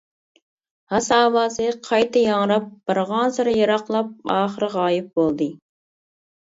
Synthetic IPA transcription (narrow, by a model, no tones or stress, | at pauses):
hɑsɑːwɑːsɨqʰɑjt̪ʰɑjɑŋɾɑp̚b̥ɨɾʁɑnsɨɾɪjɑɾɑqlˠɑp̚ɑːχəɾɨʁɑːjɪp̚bolˠd̪ɨ